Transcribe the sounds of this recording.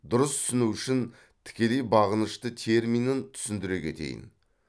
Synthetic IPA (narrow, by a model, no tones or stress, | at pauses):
d̪ʊɾəst̪ʰʏ̥sɪnuwʏʃɪn | t̪ʰɪ̥kʲe̞le̞jbɑʁənəʃt̪ət̪ʰe̞ɾminənt̪ʰʏ̥sɪnd̪ɪɾe̞kʲʰe̞̰t̪e̞̰jɪ̰n